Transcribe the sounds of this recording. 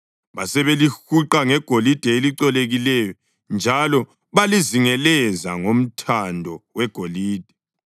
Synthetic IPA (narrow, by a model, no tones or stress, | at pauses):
βasɛβelixuǃaŋɛɡ̥ʱolid̥ʱɛeliǀɛleɣilɛjɔ | nd͡ʒʱalɔ | βaliziŋɛlɛzaŋom̩tʰandʱɔwɛɡ̥ʱoliːd̥ʱɛ̥